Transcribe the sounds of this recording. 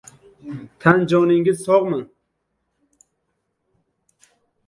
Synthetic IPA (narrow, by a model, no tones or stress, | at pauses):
t̪ʰand͡ʒɒnɪŋʲɪzsɒʁmɨ